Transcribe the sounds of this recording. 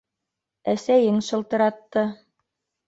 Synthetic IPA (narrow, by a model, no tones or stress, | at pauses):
æsæjɘŋʃɤ̆lˠt̪ɤ̆ɾɑt̪ːɤ